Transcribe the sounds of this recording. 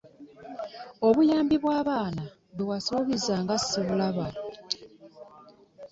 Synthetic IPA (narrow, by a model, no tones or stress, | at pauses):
o̞βujaːmbiβwaːβaːna | βewaso̞ːβizaːŋɡasiβulaβa